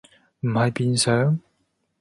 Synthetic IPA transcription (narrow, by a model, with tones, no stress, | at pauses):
m̩˨˩ha˨˩jpi˧nsœ˨˧˥